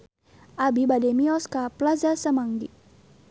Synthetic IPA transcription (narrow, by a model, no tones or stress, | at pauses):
ʔabibadɛmiɔskaplazasəmaŋɡḭ